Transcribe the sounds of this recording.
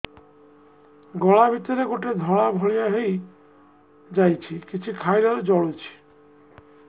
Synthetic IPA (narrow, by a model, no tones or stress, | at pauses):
ɡɔɭabʱit̪ɔɾeɡoʈed̪ʱɔɭabʱɔɭijaɦej | d͡ʑajt͡ɕʰikit͡ɕʰukʰajɾaɾd͡ʑɔɭut͡ɕʰi̥